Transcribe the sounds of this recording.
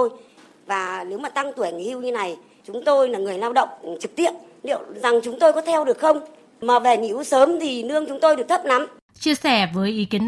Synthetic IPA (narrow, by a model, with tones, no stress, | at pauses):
o˧j | vaː˨˩ne˨˦wmaː˨˩t̪a˧ŋt̪u˧˩˨ɲ˨˩hi˧wɲɨ˧na˨˩j | t͡ɕʊ˨˦ŋ͡mt̪o˧jlaː˨˩ŋɨ˨˩əjlaː˧wɗə̰˧˨wŋ͡mt͡ɕɨ˨˩k̚t̪i˦˥əp̚ | lḭ˧˨ə˨wza˨˩ŋt͡ɕʊ˨˦ŋ͡mt̪o˧jkɔ˨˦t̪ʰɛ˧wɗɨ˨˩ək̚xə˧wŋ͡m | maː˨˩ve˨˩ɲḭ˧˥wsəː˨˦mt̪ʰi˨˩nɨ˧əŋt͡ɕʊ˨˦ŋ͡mt̪o˧jɨ˨˩ək̚t̪ʰə˦˥p̚na˨˦m | t͡ɕi˧əsɛ˧˩vəː˨˦jʔi˨˦ki˨˦ən